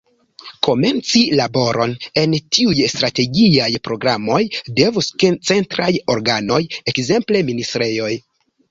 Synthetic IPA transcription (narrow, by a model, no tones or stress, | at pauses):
ko̞me̞nt͡silabo̞ɾʔo̞̰ne̞ntʰiujstɾate̞ɡiajpɾo̞ɡɾamo̞jde̞vuskent͡se̞ntɾajo̞ɾɡano̞jekze̞mple̞ministɾe̞jo̞j